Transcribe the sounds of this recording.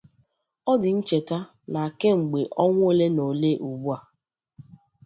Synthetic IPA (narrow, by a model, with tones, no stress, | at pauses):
ɔ˦dɪ˨n̩˦t͡ʃe˨ta˦ | na˨ke˦ŋ͡m̩˨ɡ͡be˨ʔɔ˦ŋʷʊ˦e˦le˦no˨le˦ʔu˨ɡ͡bu˦a˨